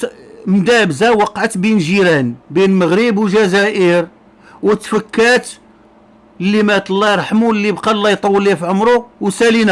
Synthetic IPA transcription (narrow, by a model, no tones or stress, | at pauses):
md̪æbzæwɑqːʕat̪binʒiɾænbinməɣɾibwʒæzæʔəɾ | wət̪ːfəkːæt̪ | lːimæt̪əlːɑjɾˤħmulːibqɑlːɑjt̪ˤɑwːəlifʕəmɾuwsælinæ